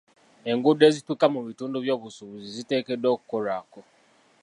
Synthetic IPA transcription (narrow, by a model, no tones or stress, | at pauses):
e̞ŋɡude̞ːzitwikamuβituːnduβjo̞ːβusuβuzizite̞ːkedːoːku̥koɾaːko